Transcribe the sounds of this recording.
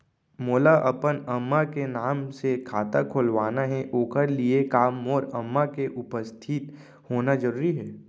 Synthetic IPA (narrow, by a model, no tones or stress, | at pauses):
moːlaʔɐpənɐmːakenaːmsekʰaːt̪akʰoːlʋaːnaɦɛʔoːkəɾliekaːmɔːɾɐmːakeʔʊpəst̪ʰɪt̪ | hoːnad͡ʒəɾuːɾiɦɛː